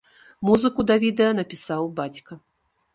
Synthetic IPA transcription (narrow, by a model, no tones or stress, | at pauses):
muzɨkud̪ɐvʲid̪ɛjɐnɐpʲisawbat͡sʲkɐ